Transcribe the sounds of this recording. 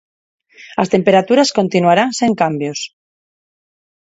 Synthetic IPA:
last̪e̞mpe̞ɾat̪uɾasko̞nt̪inuaɾanseŋkambjos

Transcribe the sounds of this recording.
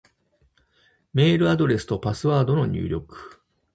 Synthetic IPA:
me̞ːɾɯ̟ad̪o̞ɾe̞sɨ̥t̪opasɨβaːd̪o̞no̞ɲ̟ʲɨ̰ːɾʲo̞kɯ̟̥

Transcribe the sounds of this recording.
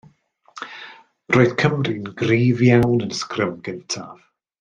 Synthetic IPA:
roːðkʰəmrinɡriːvjawnənskrɪmɡəntʰav̥

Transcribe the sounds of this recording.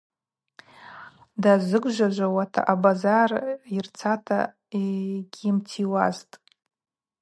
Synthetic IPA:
dazɨɡʷʒʷaʒʷawatʰa̰ʔabazarirt͡sʰatʰa̰ | eɡʲimtʰiwaztʼ

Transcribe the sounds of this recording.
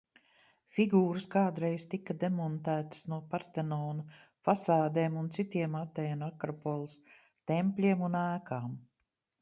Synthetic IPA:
fiɡuːɾɨskaːd̪ɾejzt̪ikːɐd̪emɔnt̪æːt̪ə̥snuɔpaɾt̪enɔːnu | fasaːd̪eːmunt̪sit̪iɛmat̪ɛːnakɾɔpɔlˠs | t̪empʲlʲiɛmunæːkaːm

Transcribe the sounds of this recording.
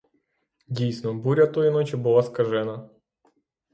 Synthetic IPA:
dʲijsʲnɔbuɾʲɐt̪oɪnot͡ɕɪbɨlˠaskɐʐɛnɐ

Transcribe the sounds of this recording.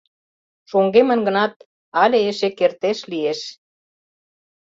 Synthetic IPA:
ʃoŋɡemə̆nɡə̆nɑt̪̚ | ɑlʲeeʃekert̪eʃlieʃ

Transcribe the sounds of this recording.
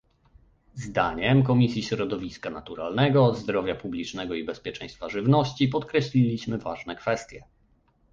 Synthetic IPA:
zd̪aɲɛmkɔmʲisʲjiɕɾɔd̪ɔvʲiskanat̪uɾa̰lnɛɡɔzd̪ɾɔvʲjapublʲit͡ʂnɛɡɔibɛspʲjɛt͡ʂɛ̰j̃st̪faʐɘvnɔɕt͡ɕipɔt̪kɾɛɕlʲilʲiɕmɘvaʐnɛkfɛst̪ʲjɛ

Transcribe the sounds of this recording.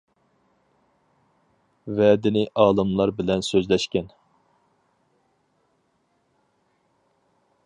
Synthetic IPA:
vɛːd̪ɪnɪʔɑːlˠɨmlˠɑɾbɪlɛnsøzlɛʃkʲɛn

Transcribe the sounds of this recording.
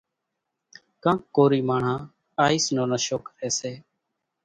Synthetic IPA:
kãːkːoːɾiːmaːɳ̤ãː | aːiːsnoːnəʃoːkɾeːseː

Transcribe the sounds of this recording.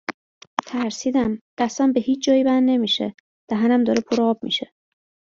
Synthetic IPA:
t̪ʰæɾsiːd̪æmd̪̥æst̪æmbehiːt͡ʃʰd͡ʒɒːjibænːe̞miːʃḛ | d̪̥æɦænæmd̪ɒːɾepʰoɾɒːb̥̚mḭʃe

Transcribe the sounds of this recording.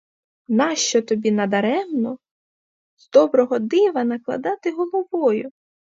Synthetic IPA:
nɑʃt͡ʃɔt̪ɔbʲinɐd̪ɐɾɛmnɔ | z̥d̪ɔbɾɔɦɔd̪ɪʋɐnɐklˠɐ̰d̪ɑt̪ɪɦɔlˠɔʋɔjʊ

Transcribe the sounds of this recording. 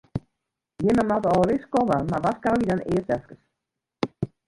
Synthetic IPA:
jɪməmatəɔlˠəʋɪskoməmaʋatkawidanɪːətɛskəs

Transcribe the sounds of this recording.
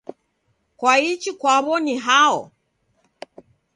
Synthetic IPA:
kwait͡ʃikwaβɔniɦaɔ

